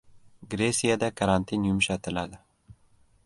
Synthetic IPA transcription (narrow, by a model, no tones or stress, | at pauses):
ɡɾesijad̪akʰaɾant̪ʰinjʊmʃat̪ɪlad̪ɪ